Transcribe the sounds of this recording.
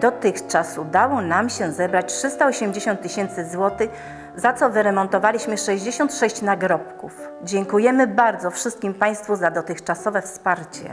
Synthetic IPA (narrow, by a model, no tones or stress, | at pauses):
d̪ɔt̪ɘxt͡ʂasud̪awɔnamɕɛzɛbɾat͡ɕʲtʂɘst̪aɔɕɛmd͡ʑeɕɔ̃nt̪ːɘɕɛnt̪sɘzwɔt̪ɘx | zat̪sɔvɘɾɛmɔnt̪ɔvalʲiɕmɘʂɛʑd͡ʑeɕɔnt̪ʂɛɕt͡ɕnaɡɾɔpkuf | d͡ʑɛŋkujɛmɘbaɾd̪zɔfʂɘst̪̚kʲimpaj̃st̪fuzad̪ɔt̪ɘxt͡ʂasɔvɛfspaɾt͡ɕɛ̰